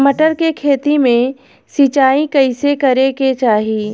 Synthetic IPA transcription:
məʈəɾkekʰeːt̪imẽ | sit͡ʃaːikɐɪsekɐɾeket͡ʃaːɦiː

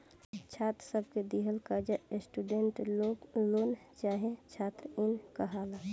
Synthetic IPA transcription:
t͡ʃʰaːt̪ɾsəb̚ʱked̪iɦəlkad͡ʒaesʈuɖeɳʈolont͡ʃaːɦet͡ʃʰaːt̪ɾɪnkəɦaːla

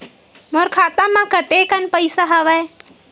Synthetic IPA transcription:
moɾkʰaːt̪amãkət̪ekənpəɪsaɦɐʋaj

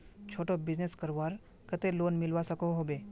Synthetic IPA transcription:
t͡ʃʰoːʈobɪd͡ʒneskəɾʋaɾ | kət̪eloːnmilʋasəkoɦobe

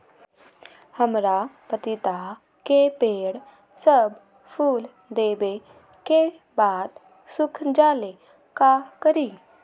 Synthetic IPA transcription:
həmɾapət̪it̪a | kepeɽ | səb | fuːl | d̪ebe | ke | bat̪ | sukʰd͡ʑale | kakəɾiː

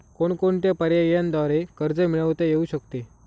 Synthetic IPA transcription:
koɳkoɳt̪japəɾjajejãnd̪ʋaɾekəɾd͡zəmiɭəʋt̪ejeuɕəkt̪e

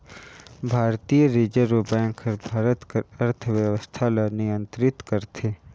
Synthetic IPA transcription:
bʱaːɾt̪ijəɾiːd͡ʒəɾobɛ̃ːŋkʰəɾbʱaːɾət̪kəɾɐɾt̪ʰəʋjəʋəst̪ʰalɐnɪjə̃nt̪ɾɪt̪kəɾt̪ʰeː

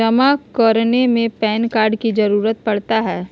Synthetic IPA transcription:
ɐmakəɾnemẽpɛːnkaːɾɖkid͡ʒɐɾuːɾət̪̚pɐɽt̪aɦɛː

